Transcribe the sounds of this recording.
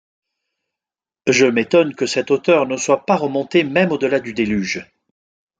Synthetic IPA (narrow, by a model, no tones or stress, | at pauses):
ʒəmet̪ɔnkəsɛt̪ot̪œʁnəswapaʁəmɔ̃t̪emɛmod̪əlad̪yd̪elyʒ